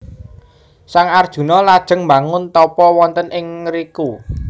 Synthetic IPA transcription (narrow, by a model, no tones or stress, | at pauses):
saŋard̥ʒ̥ṳnɔlad̥ʒ̥ə̤ŋmba̤ŋʊnt̪ɔpɔwɔnt̪ənʔɪŋɾiku